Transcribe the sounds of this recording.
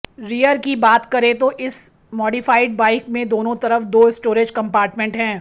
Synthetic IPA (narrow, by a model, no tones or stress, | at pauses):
ɾijəɾkibaːt̪kɐɾet̪oʔɪs | mɔːɖifaːɪɖ̚baːɪkmẽd̪oːnõt̪ɐɾəfd̪oːɪsʈoːɾed͡ʒkɐ̃mpaːɾʈmẽɳʈɦɛ̃ː